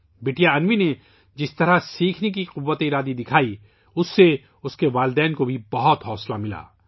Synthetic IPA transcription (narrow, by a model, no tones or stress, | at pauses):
beːʈijaɐnʋine | d͡ʒɪst̪ɐɾasiːkʰnek̬iqʊʋːət̪eɪɾaːd̪id̪ɪkʰaːi | ʊsːe | ʊskeʋaːld̪ɛːnkobʱibɐɦɔt̪ɦɔːslamɪla̰ː